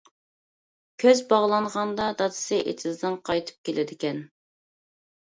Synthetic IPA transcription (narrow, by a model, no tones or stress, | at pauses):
kʲʰøzbɑʁlˠɑɴʁɑnd̪ɑd̪ɑd̪ɨ̥sɨʔḛt̪ʰɪzd̪ɨŋqʰɑjt̪ʰɨ̥p̚kʲʰelʔɪd̪ɪkʲʰɛn